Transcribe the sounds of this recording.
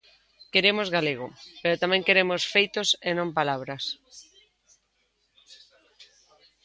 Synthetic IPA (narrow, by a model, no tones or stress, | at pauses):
keɾemozɣaleɣ̞opeɾot̪amẽŋkeɾemosfejt̪osenõmpalaβ̞ɾas